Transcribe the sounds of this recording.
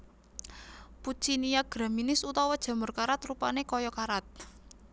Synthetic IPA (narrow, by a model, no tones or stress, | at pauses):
put͡ʃinijaɡ̥ɾaminɪsut̪ɔwɔd̥ʒ̥a̤mʊrkaɾat̪rupanekɔjɔkaɾat̪̚